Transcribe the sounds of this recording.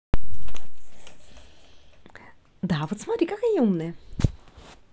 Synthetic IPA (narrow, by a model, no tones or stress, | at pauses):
d̪avot̪smaɾikakajumnɛ